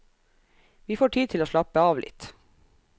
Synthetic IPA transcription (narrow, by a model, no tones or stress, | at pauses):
ʋiːfoːʈʰiːt̪ʰɪloːʃɭɑpəɑːʋlɪ̰t̪